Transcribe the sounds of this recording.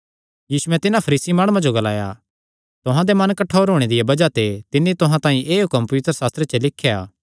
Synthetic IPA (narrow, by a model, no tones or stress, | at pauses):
jiːsuɛ̃t̪ɪnãpʰɐɾiːsimaːɽ̃uãd͡ʒoɡɐla̰ːja̰ | t̪ʊɦãd̪emɐnkɐʈʰːoːɾɦoːɽ̃ed̪ɪjabɐd͡ʒat̪et̪ɪnːit̪ʊɦãt̪ãːĩʔeːɦʊkəmpɐʋɪt̪ɾəsaːst̪ɾet͡ʃɐlɪkʰːja̰ː